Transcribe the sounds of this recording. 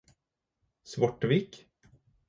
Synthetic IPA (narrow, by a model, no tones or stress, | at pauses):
svɔʈːviːk